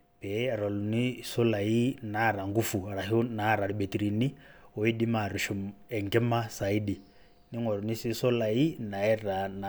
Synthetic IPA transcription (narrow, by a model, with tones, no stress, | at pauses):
pɛ˨˦˨ɾɔ˨lu˨ni˦sɔ˦la˨i˦na˨˦˨ɾa˨ŋɡu˦fu˨ɾa˨ɦi˦u˦na˨˦ɾa˨ɾi˨bɛ˨ti˨ɾi˨ni˦ɔ˨i˦di˦ma˨ɾu˨ʃɔ˨mɛ˨ŋkɛ˦ma˦sa˨i˦di˨ | ni˦ŋwɛ˨ɾu˨ni˦si˦sɔ˦la˨i˦na˨ɛ˦ra˨na˨